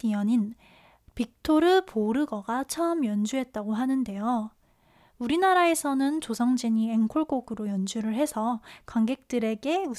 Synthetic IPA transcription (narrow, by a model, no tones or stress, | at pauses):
iʌɲin | pik̚tʰoɾɯpoɾɯɡʌɡat͡ɕʰaɯmjʌnd͡ʑuɦe̞t̚t͈aɡoɦanɯnde̞jo | uɾinaɾae̞sʰʌnɯnt͡ɕosʰʌŋd͡ʑiɲieŋkʰoɭɡ͈oɡɯɾojʌnd͡ʑuɾɯɭɦe̞sʰʌkwaŋɡe̞k̚t͈ɯɾe̞ɡe̞u